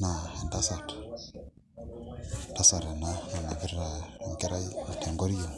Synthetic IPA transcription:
na˨a˨nda˦sa˨tḁ˨ | nda˦sa˨ɾa˨na˦a˨na˨βi˦ɾa˨ŋɡɛ˦ɾa˦˨tʰɛ˨ŋɡo˦ɾi˦jo˨

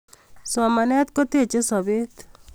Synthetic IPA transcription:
sɔmanɛ˦t̪̚ko˦t̪e˨t͡ʃe˦sɔbet̪

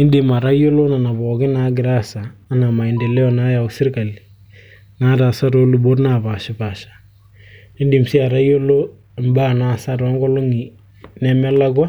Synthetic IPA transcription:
ɪ˦ndɪ˨ma˨ɾa˦jo˦lo˦na˨na˨bɔ˨ɡɪ˦na˨˦ɡɪɾa˦saː˨˦na˨ma˨ɪ˨nde˨lɛ˦ɔ˨na˦ja˨ʊ˨sɪ˦rka˨l | na˦ta˨sa˦to˦lu˨bo˦tna˦˨pa˨ʃɪ˦ba˨ʃḁ˨ | nɪ˦ndi˨msi˦a˨ɾa˦jo˦lo˦ | ɪ˨mba˦˨na˨sa˦ta˦ŋɡɔ˦lo˦ŋi˨ | nɛ˨mɛ˦la˦kwa˦

